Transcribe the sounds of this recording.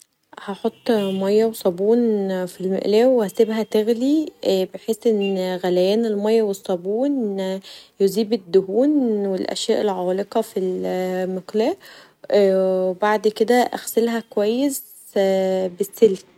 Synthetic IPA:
hæħot̪ˤːmɑjːæwesˤɑbuːnfilmḛʔlæːwehæsebɦæt̪eɣlibeħeːsʔenːɣælæjæːnelmɑjːɑwesˤːɑbuːn | joziːbed̪ːohuːnwelʔæ̰ʃjæːʔelʕɑːleqɑfilmeqlæːʔ | webaʕd̪ked̪æʔæ̰xselɦækowæjːes | besːel

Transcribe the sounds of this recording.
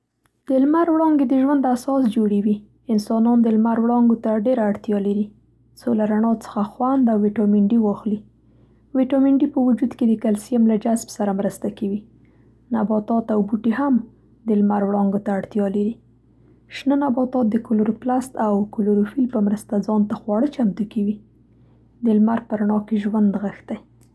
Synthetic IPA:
d̪̥əlmaɾwɽɑŋɡed̪əʒwand̪asɑsd͡ʒoɽewi | ɪnsɑnɑnd̪əlmaɾwɽɑŋɡot̪aɖeɾaːɽt̪jɑlaɾi | t͡solaɾaɳɑt͡sə̥xaxwand̪awːiʈɑmɪɳɖiwɑxli | wiʈɑmɪɳɖipəwud͡ʒud̪ked̪əkalsijamlad͡ʒasbsaɾamɾəst̪akawi | nabɑt̪ɑt̪awbuʈeɦam | d̪əlmaɾwɽɑŋɡot̪aːɽt̪jɑlaɾi | ʃnənabɑt̪ɑt̪̚d̪əkʊlʊɾoplast̪awkʊlʊɾufilpəmɾəst̪ad͡zɑnt̪axwɑɽət͡ʃamt̪ukawi | d̪əlmaɾpəɾaɳɑkeʒwand̪ɣəxt̪aj

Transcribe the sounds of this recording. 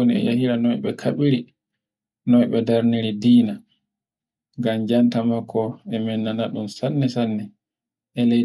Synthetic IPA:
niɛ̰jahiɾanɔjɓɛkʰaɓiɾi | nɔjɓɛdaɾniɾidiːna | ŋɡamd͡ʒantamakʰːɔɛmɛnːanaɗunsanːɛsanːɛ | ʔɛle

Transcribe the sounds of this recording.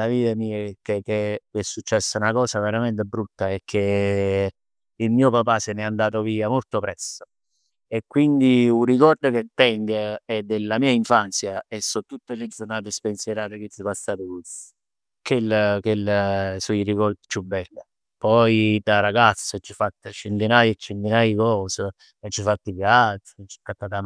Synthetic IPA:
laviːt̪amiːekekːekesːut͡ʃːɛsːaunakɔːsaveɾament̪ebɾut̪ːaek̟ʰːe | ilmiːopapasɛnɛand̪aːt̪̬oviːamolt̪opɾɛst̪o̥ | ekːwind̪iurikɔrd̪ok̟et̪ːɛŋɡaɛd̪ːelːamiːaiɱfant̪sjaɛsːɔt̪ːut̪ːeled̪zonaːt̪espenseɾaːt̪okesipasːaːt̪okus | kelːkelːsuirikɔrd̪it͡ʃubːɛlːe | pɔjd̪aɾaɡat̪sːot͡ʃːifat̪ːət͡ʃent̪inaːjet͡ʃːent̪inaːjəkɔːse | t͡ʃːifat̪ːikat̪ːt͡ʃːikːat̪ːat̪am

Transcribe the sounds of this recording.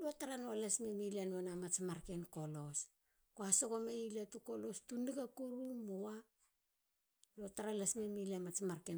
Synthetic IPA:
luataɾanoalasmemilianoanamat͡ʃmaɾkenko̞lo̞s | koaso̞komeilatukolo̞stuniɡakuɾumowa | luataɾalasmemilamat͡ʃmaɾken

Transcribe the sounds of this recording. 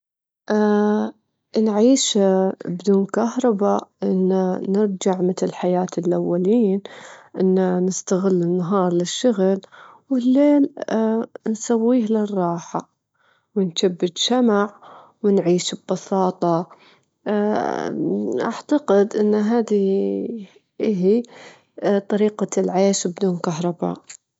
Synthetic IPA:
ʔa | nʕiːʃbd̪uːnkahɾˤɑbaʔɪnːanɪɾd͡ʒaʕmɪt̪ɪlħajaːt̪ɪlʔawːaliːnʔɪnːanɪst̪aɣɪlːɪnːaɦɑːɾˤlɪʃːʊɣlwlːeːl | nsawːiːhlɪrˤːɑːħa | wɪnʃabːɪd̪ʃamaʕ | wɪnʕiːʃbːɑsɑːt̪ˤɑ | ʔa̰ʕt̪aqɪd̪ʔɪnːɦaːd̪i | ʔɦi | t̪ˤɑɾiːqalʕeːʃbd̪uːnkaɦɾˤɑba̰ːʔ

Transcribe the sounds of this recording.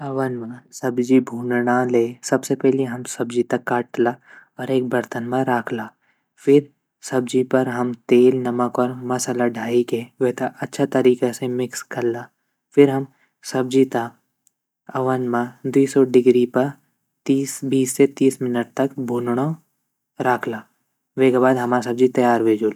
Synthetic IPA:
ɐwənmãsɐbd͡ʒibʱũːnɽaleːsɐbsepɛɦliɦɐmsɐbd͡ʒit̪ɐkːaːʈlaɔːɾeːk̚bɐɾt̪ənmãɾaːkʰlaː | fʰɪɾ | sɐbd͡ʒipɐɾɦɐmt̪eːlnɐməkɔːɾmɐsalaɖʱaːikeʋeɦt̪aʔɐtːʃʰat̪ɐɾiːkesemɪkskɐllaː | fɪɾɦɐm | sɐb̚d͡ʒit̪a | ɐʋənmãd̪iːsɔɖɪɡɾipɐɾ | t̪iːsbiːsːet̪iːsmɪnəʈ̚t̪ɐkbʱuːlɽ̃o | ɾaːkʰlaː | ʋeːɡabaːd̪ɦɐmaːasɐb̚d͡ʒit̪ɐjaːɾʋeːd͡ʒuːl

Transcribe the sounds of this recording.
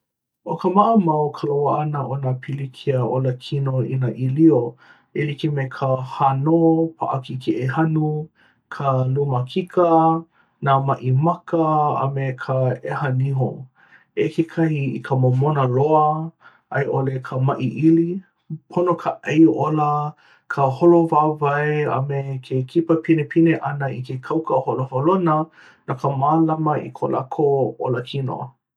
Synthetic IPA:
ʔokəmaʔəmawkʰəlowaanəʔonapʰilikʰiəʔoləkʰinoinəʔilio | elikimekʰəhanopʰa̰ʔakikʰeʔehanu | kʰəluməkʰikʰə | namaʔimakəɐ̰mekʰəehɐniɦo̰ | ekʰekʰɐhiikʰəmomonəɾoə | ʔɐjʔolekʰəmɐʔiʔili | pʰonokʰəʔejʔolə | kʰəholovaːvaeɐ̰mekʰekʰipəpʰinepʰineʔɐnəikekʰɐwkəholoholonə | nakʰəmaːlamɐḭkʰolʔa̰kʰoo̰ləkʰino̰

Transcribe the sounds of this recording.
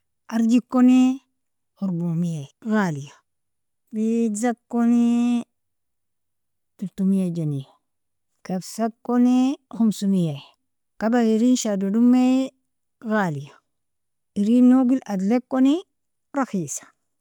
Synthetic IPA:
ʔaɾd͡ʒikːoni | huɾbomijaiɣalija | bizakːoni | tuɾtumijad͡ʒani | kabsakːonixumsumijai | kabaiɾinʃadodumːe | ɣalija | iɾinoɡiladlekːoni | ɾaxisḁ

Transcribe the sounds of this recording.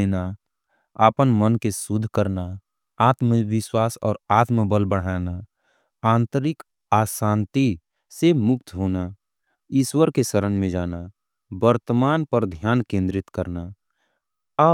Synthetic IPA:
eːna | aːpənmənkesʊd̪ʱkəɾna | aːt̪məʋɪswaːsɔ̰ːɾaːt̪məbəlbəɽ̤aːna | ãːnt̪əɾɪk | aːsãːnt̪i | semʊk̚t̪ɦoːna | ɪswəɾkesəɾə̃nd͡ʒmẽd͡ʒaːna | bəɾt̪əmaːnpəɾd̪ʱjaːnkẽːnd̪ɾɪt̪kəɾna

